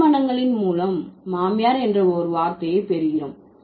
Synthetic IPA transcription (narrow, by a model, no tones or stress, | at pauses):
mɐnɐŋɡɐɭɪnmuːlɐmːaːmɪjaːɾɛndrɐɔɾɯʋaːɾt̪ɐjɐɪpɛɾɯɣɪɾɐm